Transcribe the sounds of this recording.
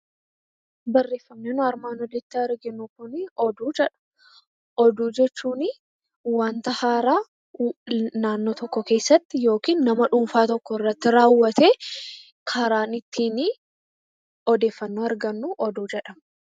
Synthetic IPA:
bɐrːe̞ːfːɐmneːnʊɐɾmaːnɔd̪ɛt̪ːɪɐɾɡɪnukʊnɪɔd̪uːd͡ʒɛᶑɐ̥ | ʔɔd̪uːd͡ʒɛt͡ʃːuːnɪ | waːnt̪ɐhaːɾaː | naːnːoːt̪ɔkːɔke̞ːsːɐt̪ːɪjo̞ːkiːnːɐmɐᶑuːmfaːt̪ɔkːɔɪrːɐt̪ːɪɾaːwːɐt̪eː | kʰɐɾaːnɪt̪ʰːiːnɪ | ɔd̪e̞ːfːɐnːuːɐɾɡɐnːuːʔɔd̪uːd͡ʒɛᶑɐm

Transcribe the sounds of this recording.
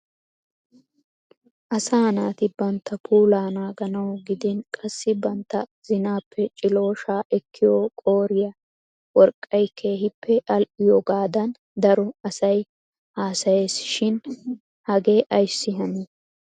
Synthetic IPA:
ʔɐsaːnaːt̪ɪbɐnt̪ʰːɐpʰuːlaːnaːɡɐnɐwɡɪd̪ɪnkʼɐsːɪbɐnt̪ːɐzɪnaːpʰːɛt͡ʃʼɪlo̞ːʃaːʔɛkʰːɪjoːkʼo̞ːɾɪjɐ | wɔɾkʼːɐjkʰe̞ːɦɪpʰːɛʔɐlʔɪjɔɡaːd̪ɐn | d̪ɐɾɔɐsɐj | haːsɐje̞ːsʃɪn | hɐɡe̞ːʔɐjsːɪɦɐneː

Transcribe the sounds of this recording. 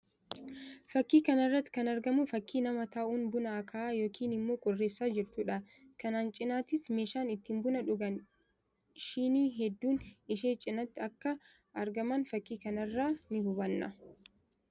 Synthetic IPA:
fɐkːiːkɐnɪrːɐt̪ːɪ̥kɐnɐɾɡɐmʊfɐkːiːnɐmɐt̪aːʔuːnbʊnɐːkʰaaːjo̞ːkʰiːnɪmːo̞ːkʼʊrːeːsːaːd͡ʒɪɾt̪ʊᶑɐ | kɐnaːnt͡ʃʼɪnaːt̪ɪsmeːʃaːnɪt̪ːɪmbʊnɐᶑʊɡɐn | ʃiːniːɦɛd̪ːuːnɪʃeːt͡ʃʼɪnɐt̪ːɪɐkːɐ | ɐɾɡɐmɐnfɐkːiːkɐnɐrːaːnɪhʊbɐnːɐ̰

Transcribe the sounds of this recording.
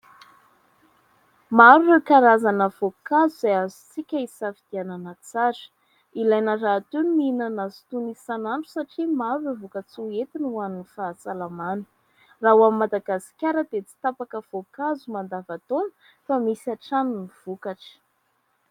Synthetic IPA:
maɾuekaɾazanəvokazuzajazu̥t͡sikʲəisafid̪̥iananət͡saɾə̥ | ilajnarat̪unminanazu̥t̪unisanaɳʈ͡ʂu̥saʈ͡ʂimaɾuivukat͡suet̪inuwaninifaːsalamanə̥ | raɦwamimad̪aɡasi̥kʲaɾəd̪et͡si̥t̪apakəv̥okazumand̪avat̪onə̥ | famisiaʈ͡ʂanuniv̥ukaʈ͡ʂə̥

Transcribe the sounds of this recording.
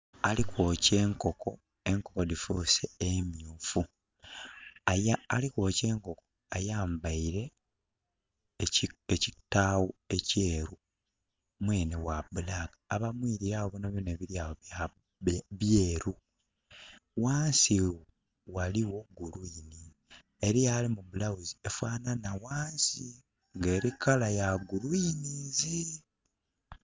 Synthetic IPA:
alikoːceːŋkoko̞ | e̞ŋkokodifuseemjuːfu | ajaalikoːce̞ːŋko̞ko | ajaːmbaiɾe̞ | ecitːaːwueceːɾu | mweːnewabulakaːβamwiːɾiɾaːwoβonaβjoneːβiɾjaːwoβja | βjeːɾu | waːnsi | waliwo̞ɡːuluini | eɾijalimuβulawuziefwaːnanawaːnsi | ŋɡe̞ːɾikalajaɡuɾuinizi

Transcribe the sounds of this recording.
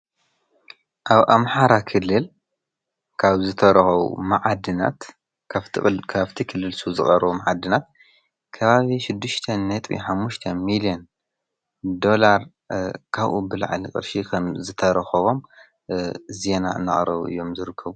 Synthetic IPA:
ʔaβʔa̰mħaɾakʰɨlːɨl | kʰaβzɨt̪ʰɐɾɐxɐwṵmaʕad̪ɨna̰t̪ʰ | kʰaβt̪ʰikʰɨlːɨlsuzɨχʼɐɾβumaʕad̪ɨnat̪̚ | kʰɐβaβiʃɪd̪ːɨʃt̪ʰɐnːɐt̪ʼβḭħamːuʃt̪ʰɐmilijon | d̪o̞laɾ | kʰaβʔṵbɨlʕa̰likʼɨ̰ɾʃikʰɐmzɨt̪ʰɐɾɐxɐβo̞m | ze̞na̰ɨ̰nːa̰χʼɾɐβuʔɨ̰jːo̞mzɨɾɨkʰːɐβu

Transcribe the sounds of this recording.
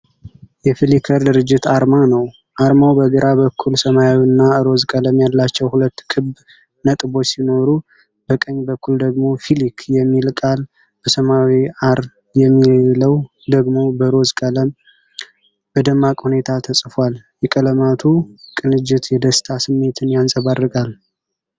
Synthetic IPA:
jɛfilikʰəɾd̪ɨɾɨd͡ʒːɪt̪aɾmanəw | ʔaɾmawbəɡəɾʔabəkʰːulsəmajawɨnːaɨɾo̞zkʼələmjalːat͡ʃːɛwhulət̪ːkʰɨb | nət̪ʼbo̞t͡ʃːsino̞ɾu | bəkʼəɲːbəkʰːuld̪əɡmo̞filikjɛmːilkʼal | b̥əsəmawiaɾ | jɛmːieləw | d̪əɡmo̞bəɾo̞zkʼələm | b̥əd̪əmːakʼhune̞t̪ʰat̪ʰəsʼfaljɛkʼələmat̪ʰukʼɨnɨd͡ʒːɪt̪jɛd̪əst̪ʰasɨmːe̞t̪ʰɨnjansʼəβarːɨkʼal

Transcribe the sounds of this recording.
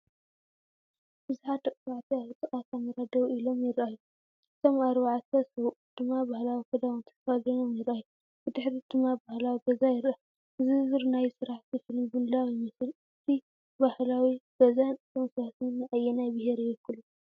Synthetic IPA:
b̥ɨzħat̪ɐkʼwaʕt̪ʰiaβɨt̪ʼɨχʼat̪amɐɾad̪ɐβilo̞mjɪɾʔajːu | ɨt̪ʰo̞maɾβaʕt̪ʰɐsɐwʔud̪̥ɨmːabahlawikʰɐd̪awɨnt̪ʰɐ̥kɐfazɐjomjɪɾʔajːu | b̥ɨd̪ɨħɾid̪ɨmːabahlawiɡɐzajɪɾʔa | ɨzɨzɨɾnajsɨɾaħt̪ʰifɨlmbund̪awjɪmɨsɨl | ɨt̪ʰi | bahlawiɡ̥ɐzanɨt̪ʰomsat̪nːɨʔajːɛnajbɨheɾejɛkːulu

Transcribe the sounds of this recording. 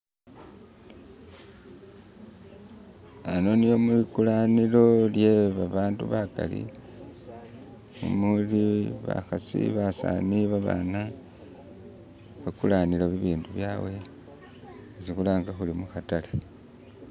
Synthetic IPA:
ano̞nijo̞mulikulanilo̞ljeβaβaːnduβaka̰lḭ | ṵmuliβa̰xasḭβasa̰niβaβa̰na | βakulanilaβiβiːnduβjaːwe̞ | sixulaːŋɡaxulimuxatale

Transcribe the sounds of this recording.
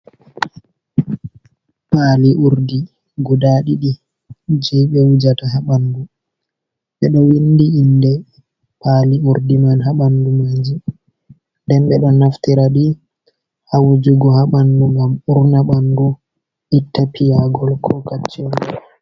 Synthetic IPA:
paliʔuɾdi | ɡudaːɗiɗi | d͡ʒiɓɛwud͡ʒataɦaɓandu | ɓɛɗɔwindiːndɛ | paːliuɾdimanɦaɓandumaːd͡ʒi | ndɛmɓɛɗɔnaftiɾaɗi | hawud͡ʒuɡɔhaɓanduŋɡamuɾnaɓandu | ʔitːapʰijaɡɔlkʰɔkat͡ʃːɔn

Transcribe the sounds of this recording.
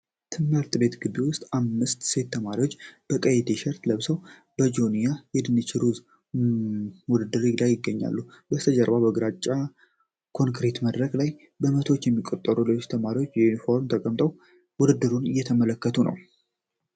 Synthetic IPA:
t̪ʰɨmːɨɾt̪ʼbe̞t̪ɡɨd̪iwʊst̪ʼamːɨst̪se̞t̪ʰːəmaɾiwo̞t͡ʃːb̥əkʼəjet̪ʰeʃɛɾt̪ləβsəw | b̥əd͡ʒonijajɛd̪ɨnːɨt͡ʃɪɾuz | wʊd̪ɨd̪ːɨɾɪɡd̪ajɪɡːəɲːa̰lːubəst̪ʰəd͡ʒəɾbabəɡɾat͡ʃʼːa | kʰo̞ŋkɾet̪məd̪ɾəɡlaj | bəmət̪ʰwo̞t͡ʃːjɛmːikʼot̪ʼːəɾulilo̞t͡ʃːt̪ʰəmaɾiwot͡ʃːjɛunifo̞ɾmt̪ʰəkʼəmt̪ʼəw | wʊd̪ɨd̪ːɨɾunɨjːɛt̪ʰəmələkːət̪ʰunə̰w

